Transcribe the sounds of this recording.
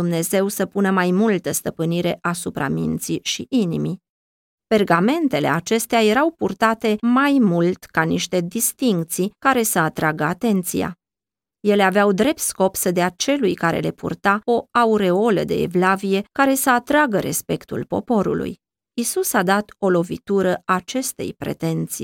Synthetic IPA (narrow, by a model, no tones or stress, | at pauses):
umne̞ze̞wsəpunəmajmult̪əst̪əpɨniɾe̞ʔasupɾa̰mḭnt̪siʃiʔinimi | pe̞rɡame̞nt̪e̞le̞̰at͡ʃe̞st̪eaje̞ɾawpurt̪at̪e̞majmult̪kaniʃt̪e̞d̪ist̪iŋk̚t̪sikaɾe̞səat̪ɾaɡəat̪e̞nt̪sija̰ | je̞le̞aveawd̪ɾe̞p̚t̪sko̞psəd̪eat͡ʃe̞lujkaɾe̞̰le̞pṵrt̪ao̞auɾe̞o̞lə̰d̪e̞̰ːvlavije̞kaɾe̞səat̪ɾaɡəɾʔe̞̰spe̞kt̪ṵlpo̞̰po̞ɾṵlṵj | isusad̪at̪o̞lo̞vḭt̪uɾəat͡ʃe̞st̪e̞̰jpɾe̞̰t̪e̞nt̪sḭ